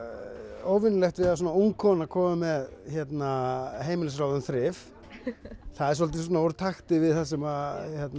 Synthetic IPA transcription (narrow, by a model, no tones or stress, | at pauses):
oːwvɪnʏlɛxt̪vɪɾas̬ɔːnauŋkʰɔnakʰɔːmamɛðçɛt̪naɦeːjmɪlɪs̬ɾawðʏnθɾɪf | θaðɛɾsɔlt̪̬ɪs̬ɔnauɾt̪ʰaxt̪ɪvɪðθas̬ɛmaçjɛt̪n